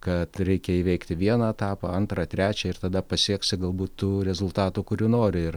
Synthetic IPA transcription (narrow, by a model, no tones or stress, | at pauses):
kɐt̪ɾʲɛɪkʲɛiːʋʲɛɪkt̪ʲɪʋʲiɛnɐɛt̪ɑːpɐɐnt̪ɾɐt̪ʲɾʲæːt͡ʃʲɛɪrt̪ɐd̪ɐpɐsʲiɛksʲɪɡɐlˠbuːt̪tuːɾʲɛzʊlˠt̪ɑːt̪uːkʊɾʲuːnoːɾʲɪɪr